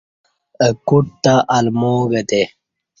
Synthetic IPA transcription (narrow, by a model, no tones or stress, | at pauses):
əkuʈ̚t̪aʔɐlmoːɡɐt̪e